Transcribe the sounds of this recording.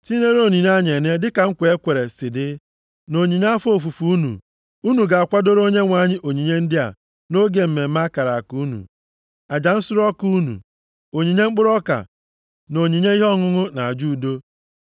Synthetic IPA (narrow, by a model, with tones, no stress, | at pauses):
ti˦ne˦ɾo˦˨ni˨n˦a˦˨ɲ˨e˨ne˦dɪ˦ka˨ŋ̩˦kʷe˦kʷe˨ɾe˨sɪ˨dɪ˦ | no˨ɲi˨ɲa˦a˦fo˨fu˨fu˦u˦nṵ˨ | u˦nu˨ɡa˨a˨kʷa˦do˦ɾo˦ɲe˦ŋʷa˨ɲɪ˦ʔo˨ɲi˨ɲe˦n̩˦dɪ˦a̰˨ | no˦ɡe˨m̩˨me˨m̩˦ma˦ka˨ɾa˨ku˨˦nṵ˨ | a˨d͡ʒa˨n̩˦sʊ˦ɾɔ˦ku˦nṵ˨ | o˨ɲi˨ɲe˦ŋ͡m̩˦k͡pʊ˦ɾɔ˦ka̰˨ | no˨ɲi˨ɲe˦i˦ɦɔ˦ŋʊ˦ŋʊ˦na˨a˨d͡ʒu˦˨do˦